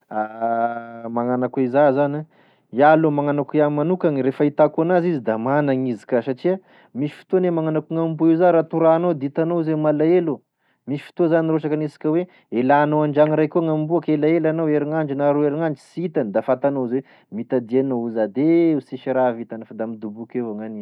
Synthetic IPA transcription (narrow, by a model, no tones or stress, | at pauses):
a | maŋanakizazani | jalomaŋanakujanimanukanɾefait̪akuanazizid̪amanaŋizi̥kʲasaʈ͡ʂia | misi̥fi̥t̪onemaŋanakuŋambuizaɾat̪uɾanod̪it̪anozemalaelu | misi̥fi̥t̪ozaniɾroʃakanisḁkʲəwe | elaːnoaɳd͡ʒaŋiɾajkuŋambuakelaelanaweɾiŋaɳd͡ʒinaɾueɾiŋaɳd͡ʒi̥sit̪and̪afat̪anozwe | mit̪ad̪ianouzad̪eusiʃiɾavit̪anfad̪amid̪ubukewaŋani